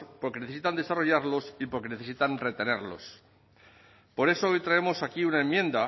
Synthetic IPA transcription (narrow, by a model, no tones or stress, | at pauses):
po̞ɾkene̞θesit̪and̪e̞saro̞ʝaɾlo̞sipoɾke̞ne̞θe̞sit̪anre̞t̪e̞ne̞ɾlo̞̰s | po̞ɾe̞soojt̪ɾae̞mo̞sakiunae̞mːjẽ̞nd̪a